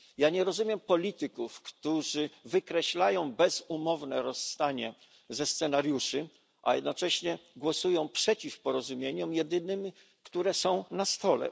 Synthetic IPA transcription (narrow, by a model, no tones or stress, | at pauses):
jaɲɛɾɔzumʲjɛmpɔlʲit̪ɘkufkt̪uʐɘvɘkɾɛɕlajɔ̃w̃bɛzumɔvnɛɾɔsːt̪aɲɛ | zɛst̪sɛnaɾjuʂɘ | ʔa̰jɛ̰d̪nɔt͡ʂɛɕɲɛɡwɔsujɔ̃w̃pʂɛt͡ɕifpɔɾɔzumʲjeɲɔmjɛd̪ɘnɘm | kt̪uɾɛsɔ̃w̃nast̪ɔlɛ̰